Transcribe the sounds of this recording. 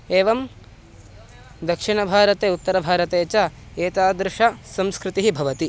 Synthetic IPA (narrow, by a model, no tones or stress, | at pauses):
eːʋɐm | d̪ɐkʂiɳɐbʱaːɾɐt̪eːut̪ːɐɾɐbʱaːɾɐt̪eːt͡ʃɐ | eːt̪aːd̪ɾɪʂɐsɐ̃mskɾɪt̪iɦibʱɐʋɐt̪i